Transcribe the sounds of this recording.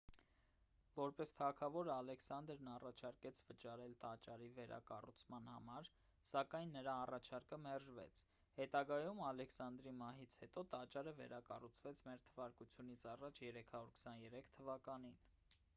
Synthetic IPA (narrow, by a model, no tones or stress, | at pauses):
vɔɾpɛst̪ʰɑkʰɑvɔɾəɑlɛksɑnd̪ɾnɑrɑt͡ʃʰɑɾkɛt͡sʰvət͡ʃɑɾɛlt̪ɑt͡ʃɑɾivɛɾʔɑ̰kɑ̰rṵt͡sʰmɑnhɑ̰mɑɾ | sɑkɑjnːəɾɑːrɑt͡ʃʰɑɾkəmɛrʒvɛ̰t͡sʰ | hɛt̪ɑɡɑjumɑlɛksɑnd̪ɾimɑɦit͡sʰhɛt̪ɔt̪ɑt͡ʃɑɾəvɛ̰ɾɑkɑ̰rut͡sʰvɛt͡sʰmɛɾt̪ʰəvɑɾkut͡sʰjunit͡sʰɑrɑt͡ʃʰjɛɾɛkʰɑɾuɾkʰə̥sɑnjɛɾɛkʰt̪ʰəvɑkɑnin